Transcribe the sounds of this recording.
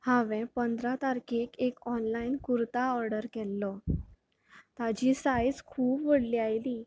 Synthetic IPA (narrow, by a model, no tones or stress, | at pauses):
hãʋɛ̃pənd̪ɾat̪aɾkekekɔnlainkuɾt̪aɔɾɖəɾkɛlːɔ | t̪ad͡ʑisajd͡zkʰuːbʋəɽliːajliː